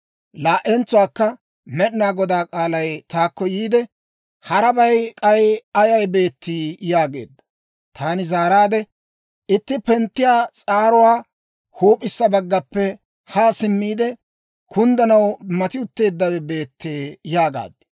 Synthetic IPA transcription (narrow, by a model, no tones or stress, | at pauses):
laːʔɛnt͡sːʊwaːkːɐ | mɛɗɪnaːɡɔd̪aːkʼaːlɐjt̪aːkːɔjiːd̪ɛ | hɐɾɐbɐjkʼɐjɐjɐjbe̞ːt̪ːiːjaːɡe̞̰ːd̪ːɐ̥ | t̪aːnɪzaːɾaːd̪ɛ | ʔɪt̪ːɪpɛnt̪ːɪjaːt͡sʼaːɾʊwaː | huːpʼːɪsːɐbɐɡːɐpːɛ | haːsɪmːiːd̪ɛ | kʊnd̪ɐnɐwmɐt̪ɪʊt̪ːe̞ːd̪ːɐwɛbe̞ːt̪ːeːjaːɡa̰ːd̪ːɪ̥